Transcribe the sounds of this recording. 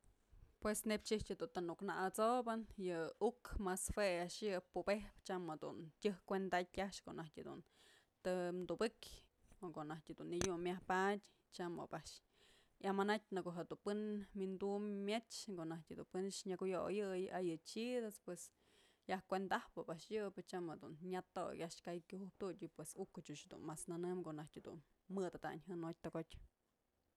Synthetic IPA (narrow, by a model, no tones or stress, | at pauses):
pwesnebt͡ʃit͡ʃɨd̪unt̪anuknaʔat͡sobɨnjɨukmasfweaʔʂjɨpubehpt͡ʃamed̪ṵntʲɨhkʷend̪at̪̚ʲaʂko̰ʔonahtʲɨd̪ṵn | t̪ɨmd̪ubɨkʲ | okoʔnahtʲed̪unːijʲummʲːjahpatʲ | t͡ʃamo̰baʔʂ | jamanat̚ʲnɨkoʔɦed̪upɨnmind̪ummʲjet͡ʃt͡ʃkoʔnahtʲhed̪unpɨnʂɲakujojɨjajɨt͡ʃid̪aspwes | jahkʷend̪ahpɨpaʔʂjɨbɨt͡ʃamhed̪unɲʲat̪o̰kʲaʔʂkajkʲuhup̚t̪utʲɨpwesukːɨt͡ʃuʃed̪ṵnmasnanɨmkoʔnahtʲhed̪ṵn | mɨd̪ad̪a̰ɲɦɨnot̚ʲt̪oɡot̪ʲ